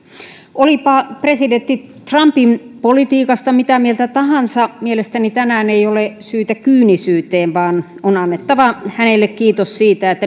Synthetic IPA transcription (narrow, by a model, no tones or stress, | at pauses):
ʔolipɑpresident̪ːit̪rɑmpinpolit̪iːkɑst̪ɑmit̪æmielt̪æt̪ɑhɑnsɑmielest̪ænit̪ænæːneijolesyːt̪ækyːnisyːt̪eːʋʋɑːnonɑnːet̪ːɑʋɑhænelːekkiːt̪ossiːt̪æet̪ːæ